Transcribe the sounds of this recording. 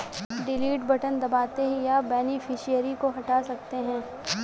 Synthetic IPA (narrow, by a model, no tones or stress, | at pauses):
ɖɪliːʈbɐʈənd̪ɐbaːt̪eɦijabɛːnifʰɪʃijəɾikoɦɐʈaːsɐk̚t̪eɦɛ̃ː